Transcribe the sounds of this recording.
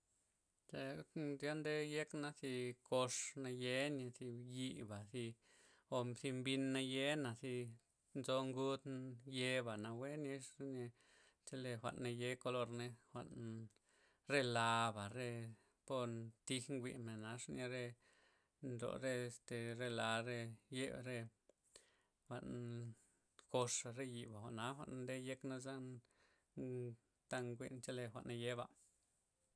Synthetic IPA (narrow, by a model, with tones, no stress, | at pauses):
t͡ʃe˧zja˦nd̪e˦je˦kna˧si˧ko˧ʂna˧je˦ni˧si˧ji˧ba˨si˧ | o˧si˧mbi˧nːa˧je˦na˨si˧ | nzo˧ŋɡu˦t̪je˧ba˨na˧we˦ni˧ʂni˧ | t͡ʃe˧le˧xʷa̰˨ʔnːa˧je˧ko˧lo˧ɾne˧xʷa̰˧ʔn | ɾe˦la˧ba˨ɾe˦˧ | po˧ɾt̪i˦xŋɡʷḭ˧˨me˨na˧ʂne˧ɾe˧ | nd̪o̰˨ɾe˧st̪e˨ɾe˦˧la˨˧ɾe˧je˦bɾe˧ | xʷa̰˧ʔn | ko˧ʂa˨ɾe˦ji˨ba˨xʷa˨ʔna˧˦xʷa̰˧ʔn˧d̪e˦je˦kna˦za˦n | t̪a˦ŋɡʷḭ˦˧ʔnt͡ʃe˦le˧xʷa̰˨ʔnːe˧je˦ba̰˨